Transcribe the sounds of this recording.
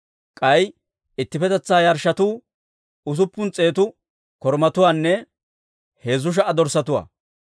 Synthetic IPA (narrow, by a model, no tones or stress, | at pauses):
kʼɐj | ɪt̪ːɪfɛt̪ɛt͡sːaːjɐɾʃɐt̪uː | ʊs̬ʊpːʊnt͡sʼe̞ːt̪̬ʊ | kɔɾmɐt̪ʊwaːnːɛ | he̞ːzʊʃ̬ɐʔɐd̪ɔɾsɐt̪ʊwa̰ː